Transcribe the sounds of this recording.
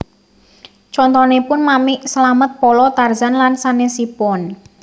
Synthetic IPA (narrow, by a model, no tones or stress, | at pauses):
t͡ʃɔnt̪ɔnepʊnmamɪʔsəlamət̪̚pɔlɔt̪arzanlansanesipɔn